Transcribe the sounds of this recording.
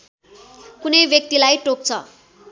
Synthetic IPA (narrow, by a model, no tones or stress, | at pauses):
kunʌjbjʌk̚t̪ilajʈok̚t͡sʰʌ̰